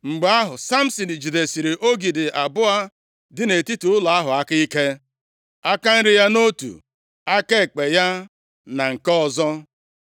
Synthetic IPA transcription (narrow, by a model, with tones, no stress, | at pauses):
ŋ͡m̩˨ɡ͡ba˦ɦʊ˨sa˦m̩˦sɔ˨ni˨d͡ʒi˨de˨si˨ɾe˨ʔo˦ɡi˨dɪ˨ʔa˨bʊ˦a˦ | dɪ˦ne˨ti˦tu˨ʊ˦la˨a˦ɦʊ˨a˦ka˦i˦ke˦ | a˦ka˦n̩˦ɾɪ˦ja˦no˦tṵ˨ | a˦ke˦˨k͡pe˨ja˦ | na˨ŋ̩˨kɔ˦ɔ˨zɔ˦